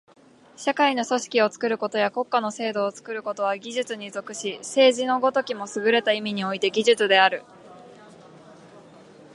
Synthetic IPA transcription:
ɕakaino̞so̞ɕi̥kʲio̞t͡sɨ̥kɯ̟ɾɯ̟ko̞t̪o̞jako̞kːano̞se̞ːd̪o̞ːt͡sɨ̥kɯ̟ɾɯ̟ko̞t̪o̞βaɡʲiʑɨt͡sɨɲ̟izo̞kɯ̟ɕise̞ːʑino̞ɡo̞t̪o̞kʲimo̞sɨɡɯ̟ɾe̞t̪aimʲiɲ̟io̞it̪e̞ɡʲiʑɨt͡sɨd̪e̞aɾɯ̟

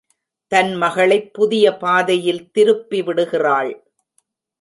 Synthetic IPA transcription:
t̪ɐnmɐɣɐɭɐɪpːʊðɪjɐpaːðɐjɪlt̪ɪɾɯpːiʋɪɽɯɣɪraːɭ

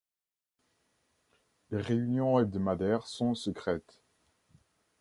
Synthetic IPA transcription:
leʁeynjɔ̃ed̪əmad̪ɛʁsɔ̃səkχɛt̪

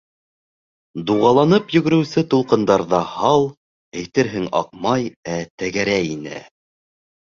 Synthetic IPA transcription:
d̪uʁɑlˠɑnɤpjɵ̆ɡɵ̆ɾɘ̆wsɘt̪ulˠqɤ̆nd̪ɑɾðɑhɑlˠ | æjt̪ɘɾɦɘŋɑ̰q̚mɑjæt̪æɣæɾæjinɘ̰

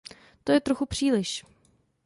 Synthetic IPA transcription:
t̪o̞jɛt̪ɾoxupr̝̥iːlɪʃ

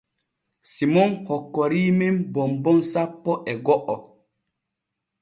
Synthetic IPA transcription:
simɔnhɔkːɔɾiːmembɔmbɔnsapːɔʔɛɡɔʔɔ

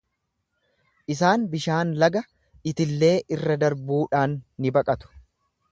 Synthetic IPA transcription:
ʔɪs̬aːnbɪʃaːnlɐɡɐ | ʔɪt̪ɪlːe̞ːʔɪrːɐd̪ɐɾbuːᶑaːnːɪbɐkʼɐt̪ʊ̥

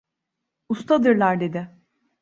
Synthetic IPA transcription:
ust̪ʰad̪ɯɾlˠaɾd̪e̞d̪ɪ

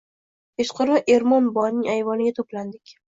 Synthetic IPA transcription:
eʃqʰʊɾɪʔe̞ɾmɒnbɒjnɪŋajvɒnɪɡʲat̪ʰopland̪ɪkʲ

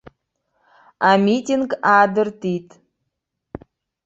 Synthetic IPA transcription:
ɑmʲitʲiŋɡɑd̪ərt̪it̪

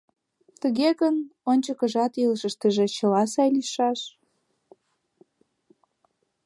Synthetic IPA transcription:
t̪əɣeɣənonʲt͡ɕəkəʒɑt̪ilʃəʃt̪əʒĕt͡ɕəlɑsɑjliʃɑʃ

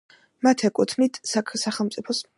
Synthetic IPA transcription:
mat̪ʰɛkʼut̪ʰmnit̪ʰsakʰsaχɛlˠmt̪sʼipʰɔs

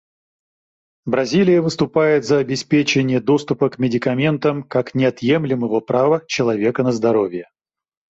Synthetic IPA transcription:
bɾɐzʲilʲɪjəvɨst̪ʊpajɪt̪zɐɐbʲɪspʲet͡ɕɪnʲɪjəd̪o̞st̪ʊpəkmʲɪdʲɪkɐmʲe̞nt̪əmkaknʲɪɐt̪jemlʲɪməvəpɾavət͡ɕɪlˠɐvʲe̞kənəzd̪ɐɾo̞vʲjə

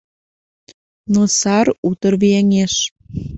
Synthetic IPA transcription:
nosɑrut̪ərβieŋeʃ

